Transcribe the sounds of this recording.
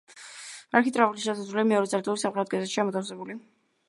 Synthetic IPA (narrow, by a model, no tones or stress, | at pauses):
aɾkʰit̪ʼɾavuliʃɛsasɾuliamɛɔɾɛt̪sʼaɾt̪luɾisamχɛd̪ɔd̪ɡazɛt̪ʃiamɔt̪ʰafsɛbuli